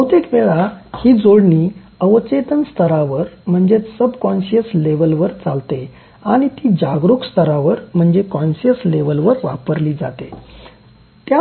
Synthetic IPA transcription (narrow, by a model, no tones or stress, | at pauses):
əwt̪ekʋeɭahiːd͡zoɽɳiː | əʋət͡ɕet̪ənst̪ʰəɾaʋəɾm̤əɳd͡zesəbkɔnɕəsleʋəlʋəɾt͡salt̪e | aɽ̃it̪iːd͡ʑaɡɾukst̪ʰəɾaʋəɾm̤əɳd͡zekɔnɕəsleʋəlʋəɾʋa̰pəɾliːd͡za̰t̪e | t̪ja